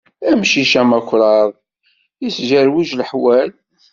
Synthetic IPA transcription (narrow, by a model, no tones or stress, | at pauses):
æmʃiʃæmækʷːɾˤɑɾˤ | jisʒæɾwiʒlħwæl